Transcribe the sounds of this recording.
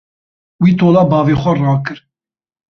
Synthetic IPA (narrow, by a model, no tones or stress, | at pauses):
wiːt̪ʰoːlɑːbɑːviːxʷɛrɑːkɨɾ